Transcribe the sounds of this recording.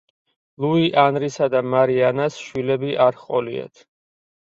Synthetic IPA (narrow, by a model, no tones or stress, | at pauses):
luiʔanɾisad̪amaɾianasʃwilɛbiʔaɾχqʼɔlia̰t̪ʰ